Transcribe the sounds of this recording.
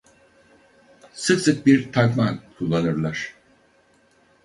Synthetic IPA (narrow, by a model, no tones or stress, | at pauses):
sɯksɯk̚biɾt̪ʰakmankʰulˠːanɯɾlˠaɾ̥